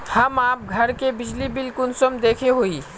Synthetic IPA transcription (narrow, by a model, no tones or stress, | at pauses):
hɐmaːp̚ɡʱɐɾkebɪd͡ʒlibɪlkʊnsəmd̪eːkʰeɦoːiː